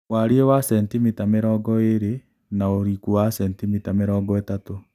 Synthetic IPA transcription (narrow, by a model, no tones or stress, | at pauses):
waɾiewasɛntimitameɾɔːɡɔeɾe | naoɾikuwasɛntimitameɾɔːɡɔetato